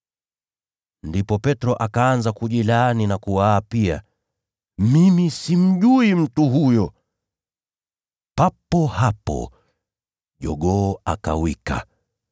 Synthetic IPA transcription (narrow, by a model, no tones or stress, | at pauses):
ndipɔpɛtɾɔʔakaːnzakuʄilaːninakuwaːpia̰ | mimisim̩ʄuim̩tuɦujɔ | papɔhapɔ̰ | ʄɔɠɔːaka̰wika̰